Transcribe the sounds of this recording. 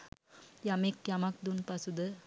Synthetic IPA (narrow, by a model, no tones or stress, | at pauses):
jɐmekjɐmak̚d̪unpɐsud̪ə